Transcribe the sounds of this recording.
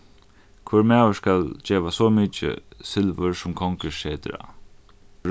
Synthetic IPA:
kʰʊɾmæːwəskald͡ʒeːʋasɔmiːt͡ʃɪ̰sɪlʋəɾsʊmkʰɔŋkəʃeːt̪ɾa̰

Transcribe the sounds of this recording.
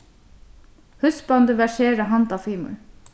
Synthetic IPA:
hʉsbɑnd̪əʋæʃeːɾəɦɑnt̪ɑfiːmʉ̰l

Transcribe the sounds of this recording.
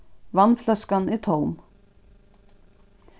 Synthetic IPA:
ʋɑnflœskaniːt̪ʰɔwm

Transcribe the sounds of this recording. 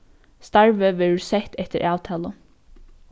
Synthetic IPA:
st̪ɑɹʋəʋeɹsɛt̪ɛt̪əɾʔɑːʋt̪ʰɑːlə

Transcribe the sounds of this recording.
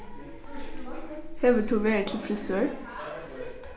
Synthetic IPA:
hɛʋəʈʰuːʋeːət̪ʰl̩fɾɪsøːɹ

